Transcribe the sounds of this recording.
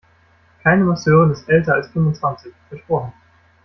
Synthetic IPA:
kʰaɪnəmasøːʁənɪstʔɛltɐalsfʏmvʊnt͡sv̥ant͡sɪçfɪɐtfoːɐə

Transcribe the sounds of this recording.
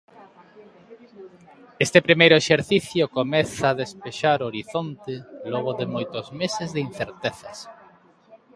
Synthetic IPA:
est̪epɾimejɾʊeʃeɾθiθjokomɛθaːðespeʃaɾoɾiθont̪ɪlɔɣ̞ʊðemojt̪ʊzmesezðɪin̟θeɾt̪eθas

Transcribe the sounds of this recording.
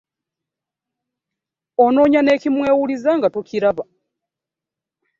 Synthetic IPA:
o̞no̞ːɲane̞ːcimwe̞ːwulizaŋɡatuciɾaβa

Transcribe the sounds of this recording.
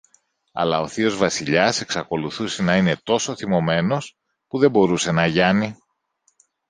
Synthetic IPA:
ɐ̰lɐo̞θio̞zvɐsiʎɐse̞ksɐko̞luθuse̞nɐine̞t̪o̞so̞θimo̞me̞no̞s | puðe̞bo̞ɾuse̞nɐʝɐni

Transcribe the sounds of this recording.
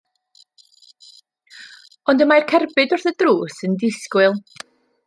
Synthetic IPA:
ɔndəmajrkʰɛrbɨdʊrθədruːsəndɪskwɨlˠ

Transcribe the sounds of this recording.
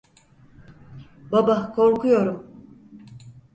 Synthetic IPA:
babakʰo̞ɾkʰujo̞ɾum

